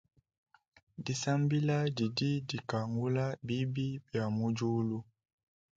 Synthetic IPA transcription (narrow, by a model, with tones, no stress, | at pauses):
di˨sa˦mbi˦la˦di˨di˦di˨ka˨ŋɡu˦la˦bi˦bi˦bja˨mu˦d͡ʒu˦lu˦